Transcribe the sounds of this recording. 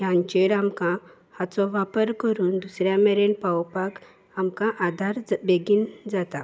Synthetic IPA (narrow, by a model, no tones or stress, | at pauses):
jãnt͡ɕeɾamkã | hat͡sɔʋapəɾkəɾuːnd̪usɾjãmɛɾenpawpak | amkãʔad̪ʱaɾd͡zbeɡind͡zat̪a